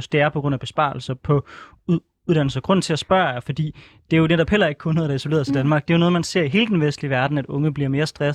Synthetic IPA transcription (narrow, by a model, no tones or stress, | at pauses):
sd̥e̝æɐpʰɒ̥ʁɔn̰æb̥e̝sb̥ɑ̰̈ːlsɐpʰɒ̽ | uð̥ˠæn̰l̩sɐɡʁɔ̽n̰̩t͡sʰe̝æsb̥ɶːɐjfɒ̽d̥ḭː | d̥e̝æjoneɾɒ̽b̥hel̰ɐe̝ɡ̥̚kʰo̽nːoːð̩ˠdɑ̈isole̝̰ːɐsʰed̥ænmɑ̈ːɡ̥̚d̥e̝jonɔ̽ð̩ˠmænse̝ɐ̰iɦe̝ːləd̥enʋesd̥liʋæɐd̥n̩æd̥ɔ̽ŋəb̥liɐme̝ːɐsd̥ʁɛs